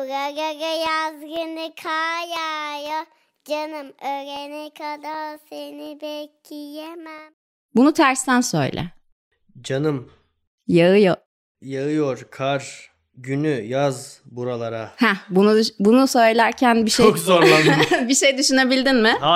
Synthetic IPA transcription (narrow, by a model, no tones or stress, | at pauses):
ɾaɡaɡajazɡɯnɯkʰajaja | d͡ʒanɯmøɾenɛkʰad̪asenibɛcijemæm | bunut̪ʰæɾst̪ʰænsø̰jlʲʔɛ̰ | d͡ʒanɯm | jaɯjo | jaɯjoɾkʰaɾ | ɟynyjazbuɾalˠaɾahɛbunubunusø̞jlʲæɾcʰænbiʃt͡ʃeokzoɾlabiʃe̞jd̪yʃyne̞bilʲd̪inmɪ